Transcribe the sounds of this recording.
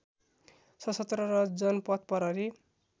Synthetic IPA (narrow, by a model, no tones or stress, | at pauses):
sʌsʌt̪rʌɾʌd͡zʌnpʌt̪̚pʌɾʌɾi